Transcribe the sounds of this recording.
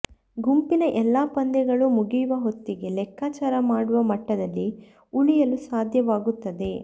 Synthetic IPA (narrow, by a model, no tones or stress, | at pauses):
ɡumpinɐʔɛlːaːpɐnd̪ɛɡɐɭumuɡijuʋɐɦo̞t̪ːiɡe̞lɛkːaːt͡ʃaːɾɐmaːɽuʋɐmɐʈːɐd̪ɐlːi | uɭijɐlusaːd̪ʱjɐʋaːɡut̪ːɐd̪e̞